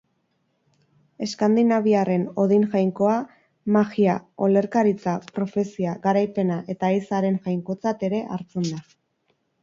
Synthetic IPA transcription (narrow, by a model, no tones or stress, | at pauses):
e̞skand̪inaβiare̞no̞ðinʝajŋko̞a | maɣiao̞le̞ɾkaɾit͡sapɾo̞fe̞siaɣaɾajpe̞naʔe̞t̪aisaɾe̞nʝajŋko̞t͡sat̪e̞ɾe̞ʔaɾt͡se̞nd̪a